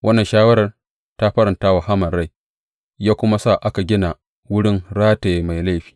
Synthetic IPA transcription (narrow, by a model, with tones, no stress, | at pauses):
wʔɐ˦nːɐ˨nʃaː˦wɐ˦ɾɐ˨r | ta˦ɸɐ˦ɾɪ˨nta˦wa˨ɦa˦mɐ˨ɾa˦˨j | jaː˦kʷʊ˦ma˦sa˦˨ʔa˦ka˨ɡʲɪ˦na˨ | wʊ˦ɽɪ˦ŋɾaː˦teː˨ma˨jla˦jɸi̥ː˨